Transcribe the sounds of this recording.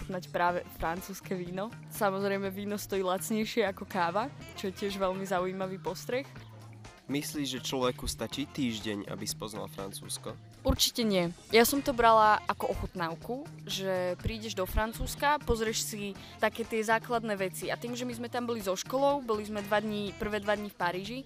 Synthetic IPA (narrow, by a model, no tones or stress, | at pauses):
znacpɾaːʋɛfɾant͡suːskɛʋiːnɔ | samɔzɾɛjmɛʋiːnɔst̪ɔjiːlat͡sɲɛjʃɪɛakɔkaːʋat͡ʃɔjɛcɪɛʒʋɛlmizaujiːmaʋiːpɔst̪ɾɛx | misliːʒʒɛt͡ʃlɔʋɛkust̪at͡ʃiːt̪iːʒɟɛɲa̰bispɔzna̰lfɾa̰nt͡sṵːskɔ | uɾt͡ʃicɛɲɪɛjasɔmt̪ɔbɾalaakɔʔɔxut̪naʊkuʒɛpɾiːɟɛʒd̪ɔfɾant͡suːskapɔzɾɛʃsi | t̪akɛːt̪ɪɛzaːklad̪nɛːʋɛt͡siat̪iːmʒɛmizmɛt̪ambɔlizɔʃkɔlɔʊbɔlizmɛd̪ʋad̪ɲipr̩ʋɛːd̪ʋad̪ɲifpaɾiːʒi